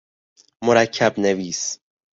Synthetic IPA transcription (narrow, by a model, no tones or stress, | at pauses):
moɾæcʰːæbneviːs